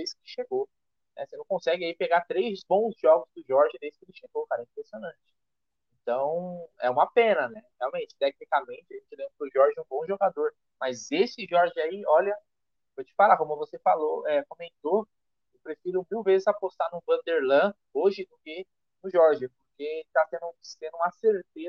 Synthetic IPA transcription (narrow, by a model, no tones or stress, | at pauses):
d̪ejskɪ̥ʃeɡo | nɛ̰senɐ̃w̃kõsɛɡɪaipeɡat̪ɾejzbõw̃zʒɔɡʊzd̪ʊʒɔɾʒɐd̪ejzɪ̥kɪelɪʃeɡokaɾɐɛĩpɾesionɐ̃t͡ʃɪ̥ | ẽnt̪ɐ̃w̃ɛ̰ũmɐpẽnɐnɛheawmẽt͡ʃɪ̥t̪ɛk̚nikamẽnt͡ʃɪaʒẽt͡ʃɪlẽbɾɐpʊʒɔɾʒɪũbõʒoɡad̪oɾ | mɐzesɪʒɔɾʒɪaiɔlɐ | fojt͡ʃɪ̥falakõmʊvosefaloɛkõmẽnt̪o | ewpɾefiɾʊmiwvezɪzapost̪anʊvɐ̃nd̪eɾlɐ̃ | oʒɪd̪ʊkɪ | nʊʒɔɾʒɪpoɾket̪asẽnd̪ʊsẽnd̪ʊũmɐseɾt̪e